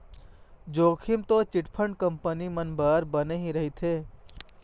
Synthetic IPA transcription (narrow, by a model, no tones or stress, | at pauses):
d͡ʒoːkʰɪmt̪ot͡ʃɪʈpʰəɳɖkəmpənimənbaːɾbəneɦĩɾɐɦit̪ʰeː